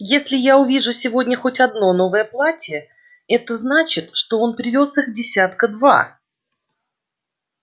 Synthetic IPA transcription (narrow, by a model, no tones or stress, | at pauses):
jesʲlʲɪjaʊvʲiʐʊsʲɪvo̞dʲnʲəxo̞tʲɐd̪no̞no̞vəjəplˠatʲə | ɛt̪əznat͡ɕɪt̪ʂt̪o̞o̞npɾʲɪvʲo̞sɨxdʲɪsʲat̪kəd̪va̰